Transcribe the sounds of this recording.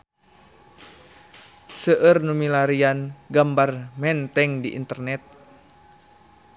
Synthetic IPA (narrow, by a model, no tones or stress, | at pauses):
səʔərnumilaɾianɡambarmɛnt̪ɛŋdiʔḭnt̪ərnɛt̪̚